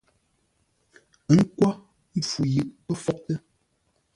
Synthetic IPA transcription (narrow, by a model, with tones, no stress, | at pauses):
ŋ̩˦kwa˦ | fu˨jɨ˨ʔpə˦fɔ˦ʔ̚tə˦